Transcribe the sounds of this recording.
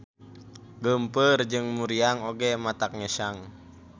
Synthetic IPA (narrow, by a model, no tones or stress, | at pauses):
ɡəmpərd͡ʒɨŋmuɾiaŋoɡɛmat̪ak̚ŋɛʃaŋ